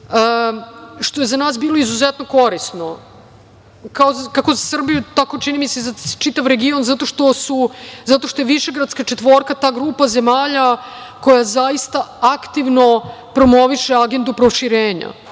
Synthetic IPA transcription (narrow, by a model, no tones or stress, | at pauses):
ə | ʃt̪o̞jezanaːsbiːlˠo̞izuzet̪no̞ko̞ɾisno | kaozkako̞zasr̩bijut̪ako̞t͡ʃinimisezat͡ʃit̪aʋɾeɡio̞nzat̪o̞ʃt̪o̞suzat̪oʃt̪o̞jeʋiʃe̞ɡɾad̪skat͡ʃet̪ʋo̞ːɾkat̪aːɡɾuːpazemaːʎa | ko̞jazaist̪aakt̪iʋno̞pɾo̞mo̞ʋiʃe̞aɡe̞nd̪upɾo̞ʃiɾeːɲa̰